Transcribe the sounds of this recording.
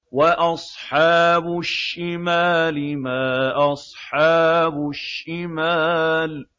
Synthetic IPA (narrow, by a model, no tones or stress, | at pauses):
waʔɑsˤħɑːbʊʃːɪmaːlɪmaːʔɑsˤħɑːbʊʃːɪmaːl